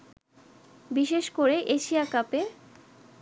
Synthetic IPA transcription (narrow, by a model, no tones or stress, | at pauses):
biʃeʃkoɾeʔeʃiakape